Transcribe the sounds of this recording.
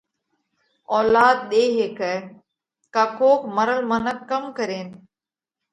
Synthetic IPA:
ɔːlaːd̪̚ɗeːɦeːkɛː | kakʰoːkməɾəlmənəkːəmkəɾeːn

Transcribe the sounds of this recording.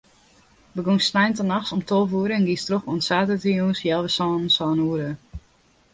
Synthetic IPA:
bəɡunsnajntənaxsɔmtʰolˠvuəɾəɛnɡistroxɔənsaːtətəjusjɛlˠʋəsɔːnsɔːnuəɾə

